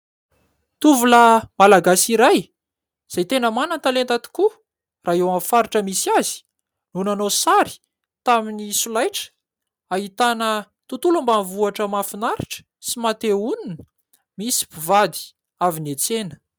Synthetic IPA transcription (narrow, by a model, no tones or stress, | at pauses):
t̪uvuləmalaɡasiɾaj | z̥ajt̪enəmanant̪alent̪at̪i̥ku | raːewamfaɾiʈ͡ʂəmisiazi̥ | nunanosaɾi̥ | t̪aminisulajʈ͡ʂə̥ | aɦit̪anə | t̪ut̪ulumbanvuaʈ͡ʂəmafinaɾiʈ͡ʂə̥ | simat̪eunin | misi̥pivad̪i̥ | avinet͡senə̥